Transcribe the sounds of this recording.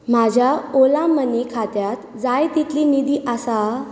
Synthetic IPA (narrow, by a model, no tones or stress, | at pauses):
m̤ad͡ʑʱjaolãmənikʰat̪jat̪ | d͡zajt̪it̪liːnid̪iːʔasa